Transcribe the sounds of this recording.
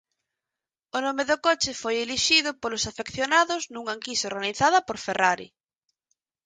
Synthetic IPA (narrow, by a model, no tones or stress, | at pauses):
ʊnomeðʊkot͡ʃɪfojeliʃiðʊpolosafekθjonaðʊznuŋaŋkisoɾɣaniθaðɐpoɾferaɾḭ